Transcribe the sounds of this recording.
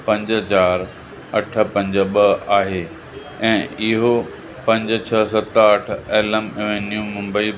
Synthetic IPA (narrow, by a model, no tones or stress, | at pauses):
pɐ̃ɲd͡ʑt͡ɕaːɾ | ɐʈʰə̆pɐ̃ɲd͡ʑɓɐaːɦeː | ɛ̃ːɪɦo | pɐ̃ɲd͡ʑ̆t͡ɕʰɐsɐt̪əʈʰeːləmɪʋenjũmʊ̃mbəi